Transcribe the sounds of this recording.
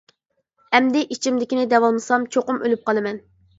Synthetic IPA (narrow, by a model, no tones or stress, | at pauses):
ɛmd̪ɪʔit͡ʃʰimd̪ɪkʲinɪd̪ɛwɑlˠmɨsɑmt͡ʃʰoqʊmølyp̚qɑlˠɨmɛn